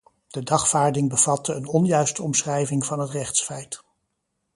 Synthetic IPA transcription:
d̥ədɑχfaːɹdɪŋbəv̥ɑtəːnɔnjœɥstəɔmsχrɛjvɪŋvɑnɦətrɛχtsfɛjt

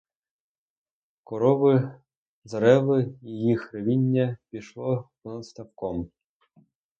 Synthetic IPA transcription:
kɔɾɔʋɪ | zɐɾɛʋɪijixɾɐʋʲinʲːɐpʲiʃlˠɔ | ɔnɐt̪st̪ɐwkɔm

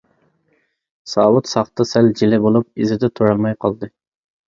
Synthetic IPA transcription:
sɑːwut̪sɑχt̪ɨsɛld͡ʒilɪbolˠup̚izɪd̪ɛt̪ʰoɾɑlˠmɑjqʰɑlˠd̪ɨ

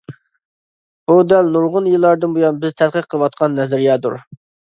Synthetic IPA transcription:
b̥ud̪ɛlnuɾʁʊnjilˠːɑɾd̪ɨnbujɑnbɪzt̪ʰɛd̪qəqʰəlˠəwɑt̪̚qʰɑnːɛzɪɾijɑːd̪ṵɾ

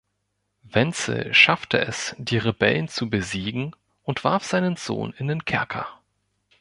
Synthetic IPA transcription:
vɛnt͡sə̰ʃaftʰə̰ʔɛsd̥iːʁebɛlnt͡subəziːɡŋ̩ | ʔʊntv̥aɐfz̥aɪnənz̥o̰ːnɪndeːnkʰɛɐkʰɐ̰

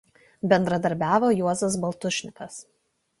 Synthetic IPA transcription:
bʲɛnd̪ɾɐd̪ɐɾʲbʲæːʋoːjuɔzɐs̬bɐlˠt̪ʊʃʲnʲɪkɐs

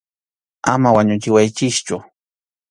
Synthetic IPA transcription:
a̰mawaɲʊt͡ʃɪwajt͡ʃɪst͡ʃʊ

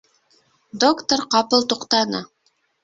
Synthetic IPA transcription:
d̪okt̪oɾqɑpɤlˠt̪uqt̪ɑnɤ̰

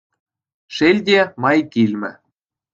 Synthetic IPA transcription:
ʃelʲd̪ʲemɑjkilʲmɘ̰̆

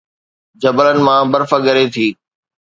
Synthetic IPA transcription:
d͡ʑɐbələnɪ̆mãbɐɾfəɠɐɾet̪ʰiː

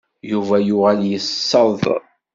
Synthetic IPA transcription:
juvæjʊʁæljəsːəðˤ

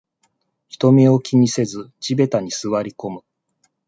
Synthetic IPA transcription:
çi̥t̪o̞meo̞kʲiɲ̟ise̞zɨt͡ɕibe̞t̪aɲ̟isɨβaɾʲiko̞mɯ̟

